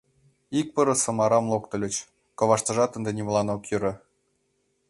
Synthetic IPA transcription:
ik̚pɤ̆ɾɤ̆sɤ̆mɑɾɑmlˠokt̪ɤ̆lʲɘ̆t͡ɕ | kɤ̆ʋɑʃt̪ɤ̆ʒɑt̪ə̆nd̪enʲimlˠɑnokjyɾɤ̆

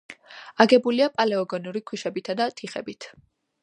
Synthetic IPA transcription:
aɡɛbuliapʼalɛɔɡɔnuɾikʰwiʃɛbit̪ʰad̪at̪ʰiχɛ̰bit̪ʰ

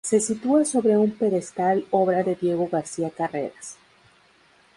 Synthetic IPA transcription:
se̞sit̪uaso̞βɾe̞umpe̞ðe̞st̪alo̞βɾaðe̞ðje̞ɣo̞ɣaɾsiakare̞̰ɾas

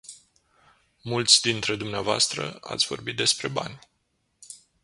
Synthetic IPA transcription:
mult̪sʲd̪int̪ɾe̞d̪umneavoa̰st̪ɾə̰a̰t̪sʲvo̞̰rbit̪̚d̪e̞spɾe̞ba̰nʲ

